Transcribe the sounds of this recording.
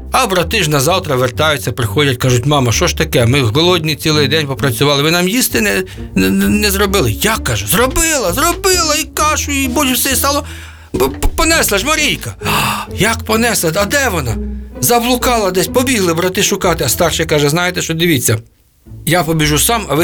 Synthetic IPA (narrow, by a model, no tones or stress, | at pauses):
ɐbɾɐt̪ɪʒnɐzɑwt̪ɾɐʋert̪ɑjʊt͡sʲːɐpɾɪxɔdʲɐt̚ʲkɑʒʊtʲmɑmɐʃɔʃt̪ɐkɛmɪɦɔlˠɔdʲnʲit͡sʲilˠɪjd̪ɛnʲpɔpɾɐt͡sʲʊʋɑlˠɪʋɪnɑmjist̪ɪnɛ | nɛzɾɔbɪlˠɪjakːɑʒɛzrɔbɪlˠɐzrɔbɪlˠɐikɑʃʊibɔlʲʊwsʲɛist̪ɑlˠɔ | pɔnɛslˠɐʒmɐɾʲijkɐjɐkpɔnɛslˠɐɐd̪ɛʋɔnɑ̰zɐblˠʊkɑlˠɐd̪ɛsʲpɔbʲiɦlˠɪbɾɐt̪ɪʃʊkɑt̪ɪɐst̪ɑrʃɛkɑʒɛznɑjet̪ɛʃt͡ʃɔd̪ɪʋʲit͡sʲːɐ | japɔbʲiʒusɑmɐʋɪ